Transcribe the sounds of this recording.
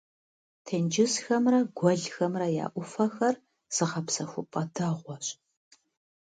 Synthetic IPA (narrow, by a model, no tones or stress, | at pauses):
tʰend͡ʒɪsxɐmrɐɡʷɔɮxɐmrɐja̰ːʔʷʊfɐxɐr | z̥ɨʁɐpsɐxʷʊpʼɐdɐʁʷɔɕʼ